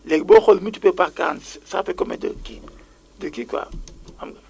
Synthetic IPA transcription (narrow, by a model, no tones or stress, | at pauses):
lɛɡbɔxɔlmutu̥pepaka̰nssa̰pɛkɔmɛ̰də̰ki | dəkikwa̰amɡ